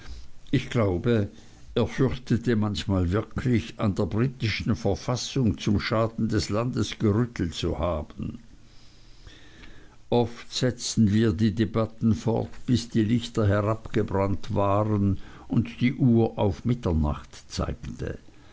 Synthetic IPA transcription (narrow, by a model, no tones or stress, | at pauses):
ʔɪçɡ̥laʊbə | ʔeːɐfʏʁçtətəmançmaːlvɪɐkʰlɪçandeːɐbʁiːtɪʃn̩fɛɐfasʊŋt͡sʊmʃaːdn̩dɛslandəsɡ̥əʁʏtʰl̩tt͡suhaːb̥ən̩ | ʔɔftz̥ɛt͡stn̩viːɐdiːdebatn̩fɔ̰ɐtb̥ɪsd̥iːlɪçtɐɦɛʁapɡ̥əbʁantv̥aːʁən | ʔʊntd̥iːʔuːɐʔaʊfmɪtɐna̰χtt͡sa̰ɪktʰə̰